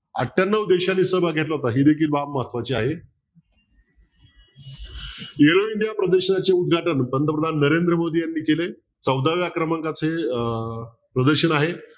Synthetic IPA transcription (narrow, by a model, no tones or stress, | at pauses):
a̰ʈʰːjanːəʋd̪eɕanːiːsəbʱaɡʱeʈlaɦot̪aɦiːd̪ekʰiːlbapmaɦat̪ʰʋat͡ɕiaɦe | eɾoiɳɖijapɾəd̪əɾɕənat͡ɕeud̪̚ɡʱaʈənpənd̪əpɾəd̪ʱanːəɾend̪ɾəmod̪iːjanːiːkele | t͡səwd̪aʋjakɾəmãŋkat͡sʰe | pɾəd̪əɾɕənaɦe